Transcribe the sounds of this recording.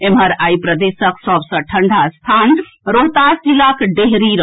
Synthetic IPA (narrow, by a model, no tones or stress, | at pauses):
emɦəɾaipɾəd̪esəksɔbsə̃ʈʰəɳɖʱast̪ʰan | ɾoɦt̪asd͡ʒilakɖeɦɾiɾə